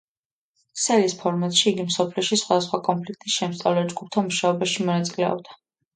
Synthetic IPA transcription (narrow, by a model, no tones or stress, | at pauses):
sɛlispʰɔɾmat̪ʼʃiːɡimsɔpʰliɔʃisχwad̪asχwakʼɔnpʰlik̚ʰt̪ʼisʃɛmst̪sʼa̰vlɛd͡ʒɡup̚ʰt̪ʰamuʃaɔbaʃimɔnat̪sʼilɛɔ̰b̚d̪a